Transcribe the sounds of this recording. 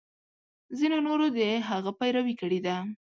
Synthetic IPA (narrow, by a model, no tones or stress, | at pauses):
zinonoɾod̪əɦaɣapajɾawikəɽed̪a